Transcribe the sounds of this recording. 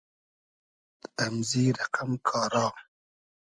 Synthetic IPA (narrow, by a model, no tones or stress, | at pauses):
amziːɾaqamkʰɑːɾɑː